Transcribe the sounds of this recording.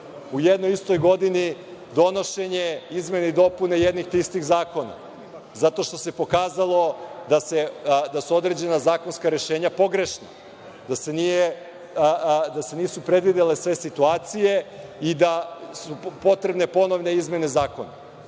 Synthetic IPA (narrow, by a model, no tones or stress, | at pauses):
ujed̪nojist̪o̞jɡo̞d̪inid̪o̞no̞ʃe̞ɲe̞izme̞neid̪o̞punejed̪nixt̪ist̪ixzaːko̞na̰ | zat̪o̞ʃt̪o̞se̞po̞kaːzalˠo̞d̪ased̪asuo̞d̪ɾe̞d͡ʑe̞nazaːko̞nskaɾe̞ʃe̞ːɲapo̞ɡɾe̞ʃna | d̪ase̞niːje | d̪ase̞niːsupɾed̪ʋid̪elesʋe̞sit̪uaːt̪sije̞id̪asupo̞t̪ɾebne̞po̞no̞ʋne̞izme̞ne̞zaːko̞na̰